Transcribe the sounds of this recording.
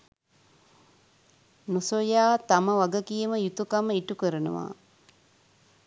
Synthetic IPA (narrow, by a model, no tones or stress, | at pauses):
nosojaːt̪aməʋaɡəkijəməjut̪ukaməiʈukəɾənə̰ʋa̰ː